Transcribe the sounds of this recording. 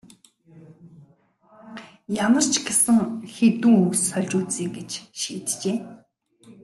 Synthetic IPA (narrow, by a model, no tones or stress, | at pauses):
jamə̆r̥t͡ɕʰɡesɘ̆ŋxet̪uːŋusœɮt͡ɕʊːt͡siːŋɡet͡ɕʃiːt̪t͡ɕeː